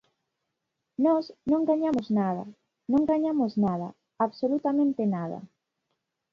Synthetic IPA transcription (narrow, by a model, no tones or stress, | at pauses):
nɔsnõŋɡaɲamʊznaðɐ̰ | nõŋɡaɲamʊznaðɐ̰ | aβsolut̪amẽnt̪ɪnað̞ɐ̰